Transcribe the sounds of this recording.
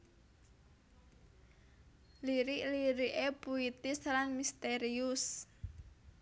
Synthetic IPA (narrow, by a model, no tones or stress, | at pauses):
liɾɪʔliɾiʔepuit̪ɪslanmist̪eɾiʊs